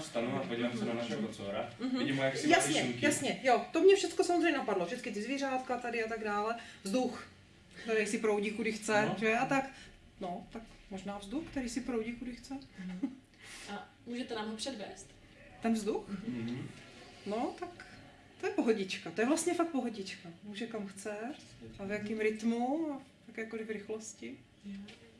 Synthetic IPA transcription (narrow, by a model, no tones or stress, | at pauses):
fst̪anuapoɟivamsɾonaʃaot͡soɾaɦɪɟimojaksɪjasɲɲɛjasɲɛjot̪omɲɛfʃɛtt͡skosamozrɛɲɛnapadlofʃɛt͡skɪt̪ɪzviːrat̪kat̪adɪat̪aɡdaːlɛvzd̪ux | t̪ɛɾijsɪpɾowɟikudɪxt͡sɛʒɛʔat̪ak | not̪akmoʒnaːvzd̪uxkt̪ɛɾijsɪpɾowɟikudɪxt͡sɛ | a | muːʒɛt̪ɛnaːmɦopr̝̥ɛdvɛːst̪ | t̪ɛnvzd̪ux | not̪ak | t̪ojɛpoɦoɟɪt͡ʃkat̪o̞jɛvlast̪ɲɛfak̚t̪poɦoɟɪt͡ʃkamuːʒɛkamxt͡sɛavjakiːmɾɪt̪muat̪akɛːjkolɪvɾɪxloscɪ